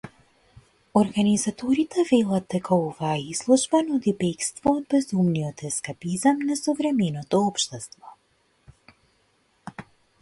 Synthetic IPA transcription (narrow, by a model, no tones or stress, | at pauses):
oɾɡanizat̪ɔɾit̪ɛvɛlˠad̪̚d̪ɛkaɔvaːizlˠuʒbanud̪ibɛkst̪vɔːd̪̚bɛzumniɔt̪ɛskapizamnasovɾɛmɛnɔt̪ɔɔpʃt̪ɛst̪vɔ